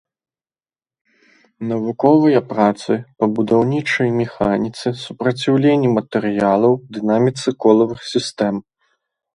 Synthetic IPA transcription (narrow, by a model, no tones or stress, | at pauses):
nɐvukɔvɨjɐpɾat̪sɨpɐbud̪awnʲit͡ʂɐjmʲɛxanʲit̪sɨsupɾɐt͡sʲiwlʲenʲːimɐt̪ɛɾɨjalˠɐwd̪ɨnamʲit̪sɨkɔlˠɐvɨxsʲist̪ɛm